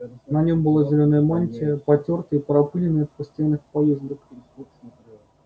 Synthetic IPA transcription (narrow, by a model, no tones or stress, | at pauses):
nɐnʲo̞mbɨlˠazʲɪlʲonəjəmanʲtʲɪəpɐtʲo̞rt̪əipəɾɐpɨlʲɪnəjəfpəst̪ajanːɨxpɐjɛzd̪ək